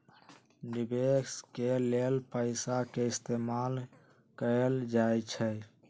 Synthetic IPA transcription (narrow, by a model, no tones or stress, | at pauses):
nibeskelelpəɪsakeɪst̪emal | kəld͡ʒajt͡ʃʰɛ